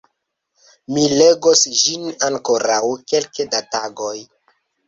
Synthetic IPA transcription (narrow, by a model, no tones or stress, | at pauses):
mile̞ɡosd͡ʒinaŋkoɾawke̞lkedataɡo̞j